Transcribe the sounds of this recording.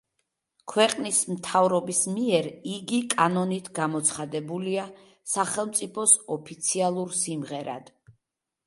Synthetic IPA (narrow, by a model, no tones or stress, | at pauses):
kʰwɛqʼnismt̪ʰavɾɔbismiɛɾiɡikʼanɔnit̪ʰɡamɔt̪sʰχad̪ɛbulia | saχɛlˠmt̪sʼipʰɔsɔpʰit̪sʰialˠuɾsimʁɛɾa̰d̪̥